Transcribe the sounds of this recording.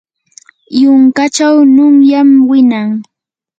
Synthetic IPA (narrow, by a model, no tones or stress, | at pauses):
jʊŋkat͡ʃawnʊŋjamwɪnaŋ